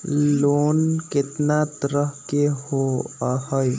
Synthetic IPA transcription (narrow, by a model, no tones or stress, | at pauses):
loːnkɪt̪nat̪əɾəɦkeɦoahəj